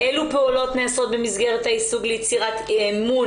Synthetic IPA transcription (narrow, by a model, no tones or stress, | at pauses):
ʔelupeulo̞tneaso̞t̪̚bemizɡeʁet̪haisuɡlejet͡siʁat̪emun